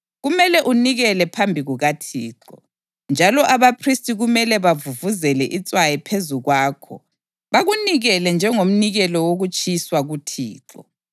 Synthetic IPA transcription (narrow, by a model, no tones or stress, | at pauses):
ɣumɛlɛʔuniɣɛlɛpʰambʱiɣuɣatʰiːǁɔ̰ | nd͡ʒʱalɔʔaβapʰristʼiɣumɛlɛβavuvuzɛlɛʔit͡sʼwajɛpʰezuɣwaːkʰɔ̰ | βaɣuniɣɛlɛnd͡ʒʱɛŋom̩niɣɛlɔwoɣut͡ʃʼiswaɣutʰḭːǁɔ̰